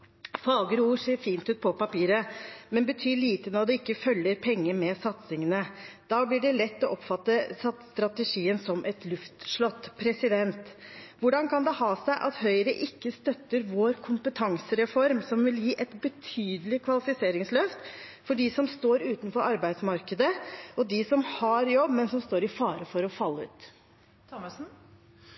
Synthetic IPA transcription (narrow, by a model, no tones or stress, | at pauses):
fɑːɡəɾuːʂeːɾfiːnt̪ʉːt̪̚pʰɔpɑpiːɾəmɛnbət̪ʰyːɭiːt̪ənɔɖ̪ɛɪkːəfœlːəɾpʰɛŋːəmɛsɑt̪sɪŋənəd̪̥ɑːblɪɖɛlɛt̪ːɔʔɔpfɑt̪ːəsɑt̪st̪ɾɑt̪əʂiːənsɔmʔɛt̪lʉft̪ʂɭɔt̪ːpʰɾɛsɪd̪ɛnt̪ʋʊɖɑnkʰɑnd̪ɛhɑːsæɪʔɑt̪hœʏəɾəʔɪkːəst̪œt̪ːəɾʋoːɾkʰʊmpət̪ʰɑŋsəɾɛfɔɾmsɔmʋɪljiːʔɛt̪bət̪ʰyːd̪əlɪkʰʋɑlɪfɪseːɾɪŋslœft̪fɔɖɪsɔmst̪oːɾʉːt̪nfɔɾɑɾbæɪd̪smɑɾkəd̪əʔɔd̪ɪsɔmhɑɾjɔbːmɛnsɔmst̪oːɾɪfɑːɾəfɔɾɔfɑlːəʉ̰ːt̪